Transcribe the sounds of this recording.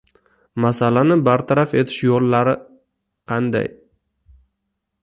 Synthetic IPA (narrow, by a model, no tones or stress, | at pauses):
masalanɪbaɾt̪ʰaɾafe̞t̪ʰɪ̥ʃjolːaɾɪ | qʰɑnd̪a̰j